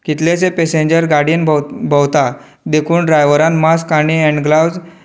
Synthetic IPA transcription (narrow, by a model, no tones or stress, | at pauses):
kit̪let͡sepesẽɲd͡ʑəɾɡaɾɽijənbbʱəwt̪a | d̪ekʰuːnɖɾajʋəɾãnmaskaɽiɛ̃ɳɖɡlawd͡z